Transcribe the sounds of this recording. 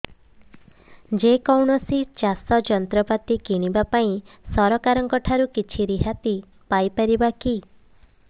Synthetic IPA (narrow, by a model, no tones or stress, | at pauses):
d͡ʒekɔwɳɔsit͡ʃasɔd͡ʒɔnt̪ɾɔpat̪ikiɽ̃ibapaĩ | sɔɾɔkaɾɔŋkɔʈʰaɾukit͡ʃʰiɾiɦat̪i | pajpaɾibaki